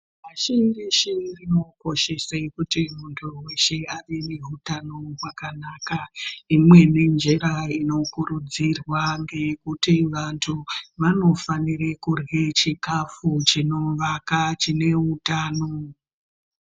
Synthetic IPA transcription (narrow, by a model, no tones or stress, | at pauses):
maʃiriʃirino̞ko̞ʃesaekutimuntʰuweʃeaʋeneɦutanowakanaːkaimwe̞nend͡ʒeɾaino̞kuɾud͡zirwaŋɡe̞kutiʋantʰuʋano̞faniɾekurwet͡ʃikafut͡ʃino̞ʋakat͡ʃine̞utaːno̞